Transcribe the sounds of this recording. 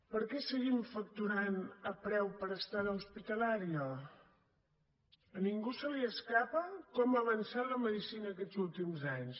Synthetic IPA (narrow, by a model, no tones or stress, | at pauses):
pəɾkɛsəɣimfək̚t̪uɾanəpɾɛwpəɾəst̪aðəuspit̪əlaɾiə | niŋɡusəliəskapəkɔməβ̞ənsaləməðisinəːkɛd͡zulˠt̪imzaɲs